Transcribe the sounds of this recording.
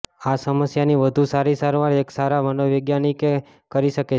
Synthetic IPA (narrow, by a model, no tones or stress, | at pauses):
asəməsjaniʋəd̪ʱusaɾisaɾʋaɾeksaɾaʋənoʋəɡjanike | kəɾiʃəke